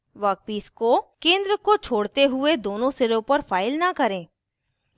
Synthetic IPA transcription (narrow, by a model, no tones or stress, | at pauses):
ʋɐk̚piːskokẽːnd̪ɾəkot͡ʃʰoːɽt̪eɦʊed̪oːnõsɪɾõpɐɾfʰaːɪlnɐkɐɾẽː